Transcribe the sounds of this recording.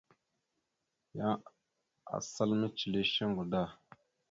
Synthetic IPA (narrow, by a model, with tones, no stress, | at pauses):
ja˦ | a̰˨sa˦lmə˦t͡ʃi˨le˦ʃe˦ŋɡu˨da˦˨